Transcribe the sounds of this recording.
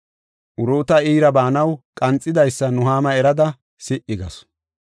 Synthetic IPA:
ʔʊɾoːt̪ɐiːɾɐbaːnɐwkʼɐnt͡sʼːɪd̪ɐjsːɐnʊɦaːmɐɛɾɐd̪ɐ | sɪʔɪɡɐ̰s

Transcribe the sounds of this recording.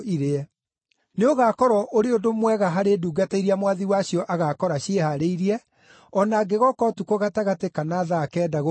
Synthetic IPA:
iɾeɛ | neoɣakɔɾɔʔoɾeodomwɛɣaɦaɾeduːɡataiɾiamwaðiwaɕjɔʔaɣakɔɾaɕehaɾeiɾiɛ | ɔnaːɡeɣɔkɔtukoɣataɣatekanaðakɛːdaɣo

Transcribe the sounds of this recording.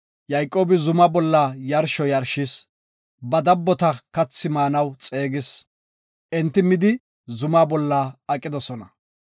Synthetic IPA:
jɐjkʼːo̞ːbɪzʊmɐbɔlːɐjɐɾʃɔjɐɾʃɪs | bɐd̪ɐbːɔt̪ɐkɐt͡sːɪmaːnɐwt͡sʼeːɡɪs | ʔɛnt̪ːɪmɪd̪ɪ | zʊmabɔlːɐɐkʼːɪd̪ɔsɔnɐ

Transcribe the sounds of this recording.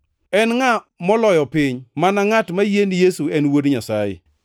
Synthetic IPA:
ɛnŋa | mɔlɔjɔpɪɲmanaŋatmajenijesuɛnwodɲasajɪ̰

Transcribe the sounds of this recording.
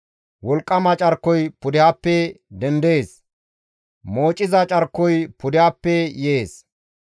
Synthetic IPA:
wɔlkʼːɐmɐt͡ʃʼɐɾkːɔjpʊd̪ɪhapːɛd̪ɛnd̪eːs | moːt͡ʃʼːɪzɐt͡ʃʼɐɾkːɔjpʊd̪ɪhɐpːɛjeːs

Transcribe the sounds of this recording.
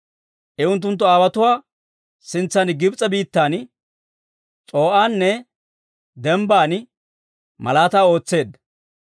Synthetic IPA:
ʔɛʊnt̪ːʊnt̪ːɔaːwɐt̪ʊwaː | sɪnt͡sːanɡɪbt͡sʼɐbiːt̪ːaːn | t͡sʼo̞ːʔaːnːɛ | d̪ɛmbaːn | mɐ̰laːt̪aːo̞ːt͡sːe̞ːd̪ːɐ

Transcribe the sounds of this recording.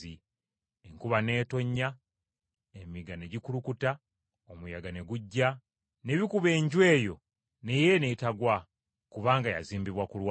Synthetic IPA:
i | eŋkuβane̞ːto̞ɲːa | emiɡane̞ɟikuɾukuta | omujaɡane̞ɡuɟːa | ne̞βikuβe̞ːɲɟwe̞ːjo̞ | ne̞je̞netaɡwa | kuβaːŋɡaja̰ziːmbiβwakulwa

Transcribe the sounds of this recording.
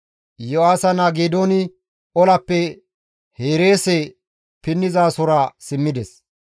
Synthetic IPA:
jɔwaːsɐnaːɡeːd̪oːnɪ | ɔlɐpːɛ | heːɾe̞ːsɛ | pɪnːɪzaːsɔɾasɪmːɪd̪ɛs

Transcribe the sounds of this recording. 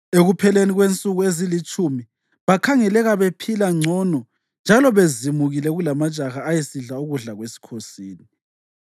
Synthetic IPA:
eɣupʰɛleniɣwent͡sʼuɣuezilit͡ʃʼumi | βakʰaŋɛlɛɣaβepʰilaŋ͡ǀʱɔnɔ | nd͡ʒʱalɔβezimuɣilɛɣulamḁt͡ʃʼaɣaːjesiɮauɣuɮaɣwesi̥kʰosiːni

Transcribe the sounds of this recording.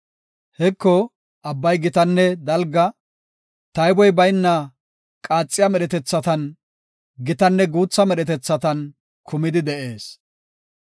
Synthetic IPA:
hɛkːɔ | ʔɐbːɐjɡɪt̪ɐnːɛd̪ɐlɡɐ | t̪ɐjbɔjbɐjnːɐ | kʼaːt͡sʼːɪjɐmɛɾɛt̪ɛt͡sːɐt̪ɐn | ɡɪt̪ɐnːɛɡuːt͡sːɐmɛɾɛt̪ɛt͡sːɐt̪ɐn | kʰʊmɪd̪ɪd̪ɛʔeːs

